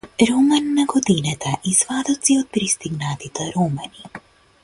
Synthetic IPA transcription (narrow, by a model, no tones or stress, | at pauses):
ɾomanːaɡod̪inat̪aʔizʋaːd̪ot̪siot̪̚pɾist̪iɡnaːt̪it̪aɾumani